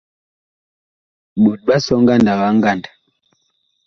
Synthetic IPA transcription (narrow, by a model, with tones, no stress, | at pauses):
ɓu˨ɗ̚ɓa˦sɔ˦ŋ˦ɡa˦˨nda˨ɓa˦ŋɡa˦˨ndḁ˨